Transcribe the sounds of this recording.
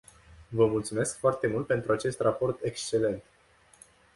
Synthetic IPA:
vəmult̪sume̞skfoart̪e̞mult̪̚pe̞nt̪ɾuat͡ʃe̞st̪rapo̞rt̪e̞kst͡ʃe̞le̞nt̪

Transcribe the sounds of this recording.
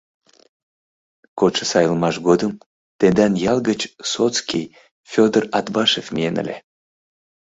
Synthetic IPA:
koʃəsɑjəlˠmɑʃɡod̪əm | t̪end̪ɑnjɑlˠɡət͡ɕsot͡skʲij | fʲod̪ərɑt̪bɑʃefmʲijenə̰lʲe

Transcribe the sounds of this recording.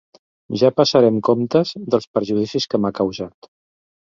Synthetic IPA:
ʒapəsəɾɛmkomt̪əzðəlˠspəɾʒuðisiskəmakəwzat̪

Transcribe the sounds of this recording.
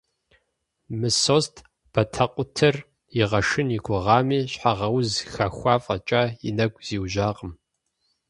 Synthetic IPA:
mɨsostʰ | b̥ɐtʰɐqʷʼʊtʰɐr | jɪʁɐʂɨniɡʷʊʁɑːmiːɕħaʁɐwzxaxʷɑːfʼɐt͡ʃʼɐinɐɡʷʼz̥iːwʒaːqʼəm

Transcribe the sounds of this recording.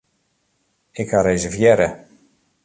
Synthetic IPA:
ɪkhaɾejzəvjɛɾə

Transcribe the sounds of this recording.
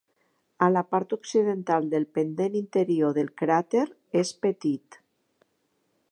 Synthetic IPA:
alapaɾt̪uksiðent̪alˠd̪elˠpend̪enint̪eɾioðelˠkɾat̪eɾ | espet̪it̪

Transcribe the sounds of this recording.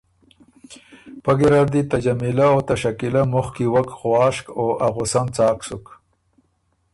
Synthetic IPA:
paɡiɾaɾd̪it̪ad͡ʒamilaot̪aʃakilamʊxkiwakxwɑːʃkoʔaɣʊsant͡sɑːksʊk

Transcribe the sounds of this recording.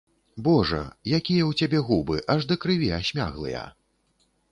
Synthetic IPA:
bɔʐɐ̰jakʲijɐwt͡sʲabʲɛɣubɨʔɐʐd̪ɐkɾɨvʲiasʲmʲa̰ɣlˠɨ̰jɐ̰

